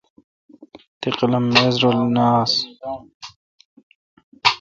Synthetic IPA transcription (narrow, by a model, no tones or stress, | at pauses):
t̪iqlɐmːezɾolnaːs